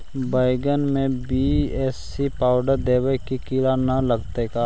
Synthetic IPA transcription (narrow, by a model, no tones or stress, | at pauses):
baːɪɡənmẽbiɛːs | ipaːʊɖəɾd̪eːʋəkikiːlanɐlɐɡt̪ekaː